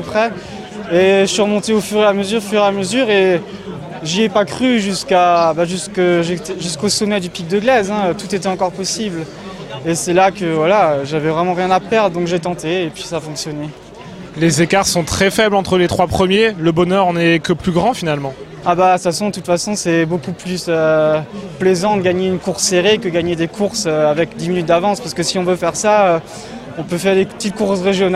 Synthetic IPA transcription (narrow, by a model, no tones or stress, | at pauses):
əpχɛ | eʒəsɥiʁəmɔ̃t̪eofyʁeaməzyʁofyʁeaməzyʁe | ʒiɛpakχyʒyskabaʒyskəʒet̪ɛʒyskosɔmɛd̪ypik̚d̪əɡlɛzɛ̃øt̪ut̪et̪ɛɑ̃kɔʁpɔsibl | esɛlakəvwalaøʒavɛvʁɛmɑ̃ʁjɛ̃napɛʁd̪ʁd̪ɔ̃kʒet̪ɑ̃t̪eːpɥi̥saːfɔ̃ksjɔnɛ | lezekaʁsɔ̃t̪χɛfɛblɑ̃t̪χəlet̪χwapχəmjeləbɔnœʁɑ̃nɛkəplyɡʁɑ̃finalmɑ̃ | abasasɔ̃d̪ət̪ut̪fasɔ̃sɛbokuplysø | plɛzɑ̃d̪əɡaɲeynkuʁsːeʁekəɡaɲed̪ekʰuʁsøavɛkd̪iminyt̪̚d̪avɑ̃spaʁsə̥kəsiɔ̃vøfɛʁsaø | ɔ̃pøfɛʁd̪eət̪it̪̚kuʁsʁeʒjɔn